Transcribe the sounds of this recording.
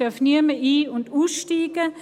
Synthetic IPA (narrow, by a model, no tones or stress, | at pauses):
øɐfniɐməʔiːʊnduːsʃtiːɡ̥ə